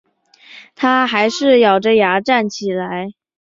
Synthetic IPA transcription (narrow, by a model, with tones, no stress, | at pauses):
t̪ʰa˥xa˧˥ɪʂɻ̩˥˩jɑ˨˩ʊʈ͡ʂə˦ja˧˥ʈ͡ʂa˥˩nt͡ɕʰi˨˩la˧˥ɪ